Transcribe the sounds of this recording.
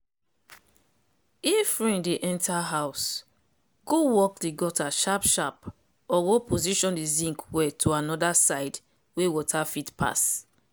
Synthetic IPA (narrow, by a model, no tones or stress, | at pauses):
ifɹĩndeʔɛ̃ntʰaɦaʊs | ɡ̥owɔkdiɡɔtaʃapʃap | ɔɡopoziʃɔ̃ndizĩŋkʰwɛtʰoanɔdasaɪd | wewɔtʰafitpʰa̰s